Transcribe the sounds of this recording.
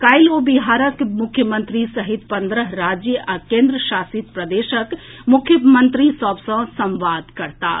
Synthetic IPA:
kajlobiɦaɾəkmukʰjəmə̃nt̪ɾisəɦit̪pə̃nd̪ɾəɦɾad͡ʒjəʔakẽnd̪ɾəʃasit̪̚pɾəd̪eʃəkmukʰjəmənt̪ɾisəbsə̃sə̃mʋad̪kəɾt̪a̰

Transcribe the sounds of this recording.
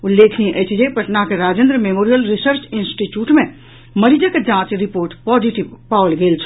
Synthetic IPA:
ulːeːkʰniʔət͡ʃʰd͡ʒepəʈnakeɾaːd͡ʒẽnd̪ɾəmemoːɾijəlɾisəɾt͡ʃinsʈiʈjuːʈmẽ | məɾid͡ʒəked͡ʒãːt͡ʃɾipoːɾʈpɔd͡ʒiʈiʋpawlɡelt͡ʃʰ

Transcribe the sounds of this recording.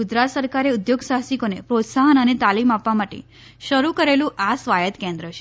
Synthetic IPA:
ud͡ʒɾat̪səɾkaɾeʊd̪joɡsaɦsikonepɾot̪saɦənənet̪alimapʋamaʈḛ | ʃəɾukəɾelũʔasʋajət̪kẽnd̪ɾəʃe̥

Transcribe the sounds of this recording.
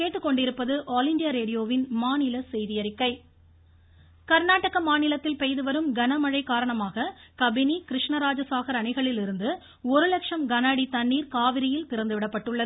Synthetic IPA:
keːʈːɯkːɔɳɖɪɾɯpːɐðɯʔaːlɪɳɖɪjaɾeːɽɪjoːʋɪnmaːnɪlɐsɛjðɪjɐɾɪkːɐɪ | kɐɾnaːʈːɐɣɐmaːnɪlɐt̪ːɪlpɛjðɯʋɐɾɯmɡɐnɐmɐɻɐɪkaːɾɐɳɐmaːɣɐkɐbɪnikɪɾɪʂɳɐɾaːd͡ʒɐsaːɣɐɾɐɳɪɣɐɭɪlɪɾɯnd̪ɯ | ɔɾɯlɐkʂɐmɡɐnaːɽit̪ɐɳːiːɾkaːʋɪɾɪjɪlpɪɾɐnd̪ɯʋɪɽɐpːɐʈːɯɭːɐðɯ

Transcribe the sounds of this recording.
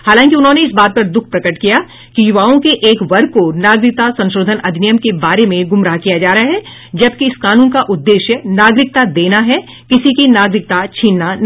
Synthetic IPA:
haːlãːŋkiʊnɦõːneɪsbaːt̪̚pɐɾd̪ʊkʰpɾɐkəʈkija | kijʊʋaːõkeʔeːkʋɐɾ̚konaːɡɾɪk̚t̪asɐ̃nʃɾoːd̪ʱənɐd̪ʱnijəmkebaːɾemẽɡʊmɾaɦkijad͡ʒaːɾaaɦɛ | d͡ʒɐb̚kiɪskaːnũːnkaʔʊd̪ːeːʃjənaːɡɾɪk̚t̪ad̪eːnaɦɛ | kɪsikinaːɡɾɪk̚t̪at͡ʃʰiːnːan

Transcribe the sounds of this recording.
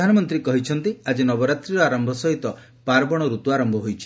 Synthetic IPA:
anɔmɔnt̪ɾikɔɦit͡ʃʰɔnt̪iad͡ʒenɔbɔɾat̪ɾiɾɔaɾɔmbʱɔsɔɦit̪ɔ | paɾbɔɽ̃ɔɾut̪uaɾɔmbʱɔɦojt͡ʃʰi̥

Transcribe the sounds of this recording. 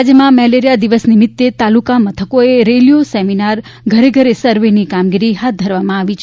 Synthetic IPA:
d͡ʒjəmãmɛleɾijad̪iʋəsnimɪt̪ːet̪alukamət̪ʰəkoeɾelijoseminaɾ | ɡʱəɾeɡʱəɾesəɾʋenikamɡiɾiɦat̪̚d̪ʱəɾʋamãaʋit͡ʃʰ

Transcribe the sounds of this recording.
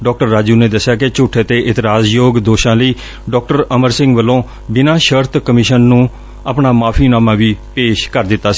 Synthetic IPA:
ɖɔːk̚ʈəɾːaːd͡ʒuːneːd̪əsɪjaːkɪt͡ʃʊʈʰːeːt̪eːʔɪt̪ɾaːzjoːɡd̪oːʃãːləiː | ɖɔːk̚ʈəɾəməɾsɪ̃ŋɡʋəlːõː | bɪnãːʃəɾt̪ʰkəmɪʃənːũː | əpɳaːmaːpʰiːnaːmãːʋiːpeːʃkəɾd̪ɪt̪ːaːsiː

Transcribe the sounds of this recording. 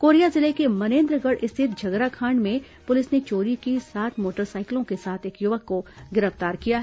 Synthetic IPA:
koːɾijazɪlekemɐnẽːnd̪ɾəɡəɽʔɪst̪ʰɪt̪̚d͡ʒʱɐɡɾakʰaːɳɖmẽ | pʊlɪsnet͡ʃoːɾikisaːt̪moːʈəɾsaːɪklõkesaːt̪ʰeːkjʊʋəkːoɡɪɾəft̪aːɾkijaɦ

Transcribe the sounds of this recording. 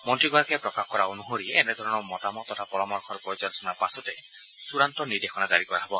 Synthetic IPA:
mɔntɾiɡɔaakepɾɔkaɔkɔɾaonuɦoɾieːned̪ʱɔɾɔnɔmɔtamɔt̪ːɔtʰapɔɾɔmɔɾkʰɔɾpɔjod͡ʒɔnɔsɔnaɾpasɔte | suɾantɔniɾd̪exʰɔnad͡ʒaɾikɔɾaɦebɔ

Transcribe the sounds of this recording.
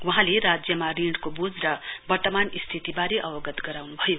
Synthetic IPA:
wuɦãleɾad͡zjʌmariɽkobud͡zɾʌbʌrt̪ʌmanist̪ʰit̪ibaɾeʔʌwʌɡʌt̪ɡʌɾawnubʱʌjo

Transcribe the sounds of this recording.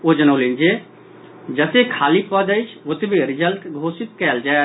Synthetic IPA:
od͡ʒənəːlend͡ʒe | d͡ʒəsekʰaːlipɔd͡ʒəjt͡ʃʰʋʊt̪bʱiɾɪd͡ʒəlʈɡʱoːsɪt̪̚kɛːld͡ʒaː

